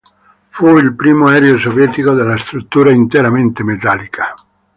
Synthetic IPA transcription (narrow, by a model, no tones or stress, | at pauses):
fuilpɾiːmoɛɾeosovjɛːt̪ikod̪elːast̪ɾut̪ːuːɾaint̪eɾament̪emet̪alikʰḁ